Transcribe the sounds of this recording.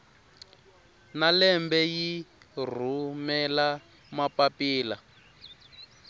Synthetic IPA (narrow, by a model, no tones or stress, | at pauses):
nalɛmbɛjir̤umɛla | mapapiːla